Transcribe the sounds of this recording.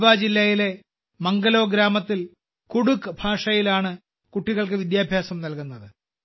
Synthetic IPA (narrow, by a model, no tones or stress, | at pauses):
ʋaːd͡ʑilːɐjile̞ | mɐŋɡɐlo̞ːɡɾaːmɐt̪ːil | kuɽukːɨbʱaːʂɐjilaːɳɨ | kuʈːiɣɐɭkɨʋid̪jaːbʱjaːsɐmnɐlkunːɐðɨ